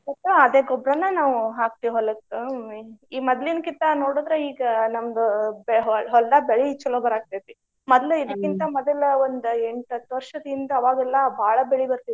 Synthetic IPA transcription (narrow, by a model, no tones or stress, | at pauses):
ɐt̪ːuɐd̪eːɡɔbɾɐnːɐnaːʋuɦaːk̚t̪iɦɔlːɐk | iːmɐd̪linkit̪ɐnoːɽuːd̪ɾeiːɡɐnɐmɐd̪ubeɦɦɔlɖaːbeɭiit͡ʃːɐloːbɐɾaːɡ̚t̪ajt̪i | mɔd̪luid̪ɐkːint̪ɐmɔd̪ɐlond̪ueɳʈɐt̪ːʋɐɾʂɐd̪ɐind̪ɐːʋaːɡɛlːɐbʱaːɭɐbeɭibɐɾt̪ii